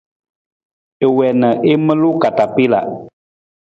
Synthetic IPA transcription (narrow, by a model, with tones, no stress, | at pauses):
e˨wɛ˨nə˨ʔe˦mə˦lu˦ka˨ta˨pi˦la̰˨ʔ